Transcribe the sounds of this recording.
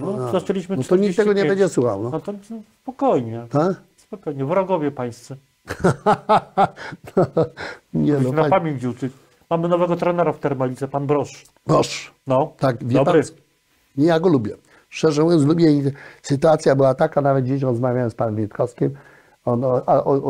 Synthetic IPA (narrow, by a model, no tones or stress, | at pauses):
nɔzɔt͡ʃɛlʲiɕmɘnɔt̪ɔɲiɛɡɔɲɛbɛɲd͡ʒɛswuxawnɔɔt̪ɔspɔkɔjɲɛt̪ak | spɔkɔjɲɛvɾɔɡɔvʲjɛpaj̃st̪sɛ | nɔ | ɲɛd̪ɔnfaapamʲivuwt̪sɘk | mamɘnɔvɛɡɔt̪ɾɛnɛɾaft̪ɛɾmalʲit̪sɛpanbɾɔʂ | bɾɔʂnɔt̪akvʲjɛbpaɾ | ɲɛjaɡɔlubʲjɛ | ʂt͡ʂɛʐɛɛ̃zlubʲjɛɲisɨt̪̬uat̪sʲjabɘwat̪akanavɛd̪̚d͡ʑeɕ̬ɔ̃ɾɔzmavʲjawɛmspanɛ̃mvʲjit̪kɔskʲim | ɔnɔaʔɔ